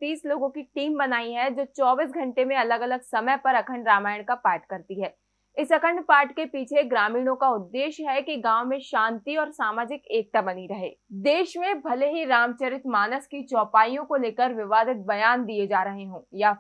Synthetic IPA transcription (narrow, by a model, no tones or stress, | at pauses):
t̪iːsloːɡõkiʈiːmbɐnaːiɦɛd͡ʒoːt͡ʃɔːbiːs̬ɡʱɐ̃ɳʈemẽɐləɡɐləɡsɐməjpɐɾɐkʰəɳɖɾaːmaːjəɽ̃kapaːɾʈkɐɾt̪iɦɛː | ɪsɐkʰəɳpaːɾʈkepiːt͡ʃʰeɡɾaːmiːɽ̃õkaʊd̪ːeːʃɦɛkiɡãːwmẽʃãːnt̪iɔːɾsaːmaːd͡ʒɪkeːk̚t̪abɐniɾɐɦḛːd̪eːʃmẽbʱɐleɦiɾaːmt͡ʃəɾɪt̪maːnəskit͡ʃɔːpaːijõkoleːkəɾʋɪʋaːd̪ɪt̪̚bɐjaːnd̪ied͡ʒaːɾɐɦeɦõːjaː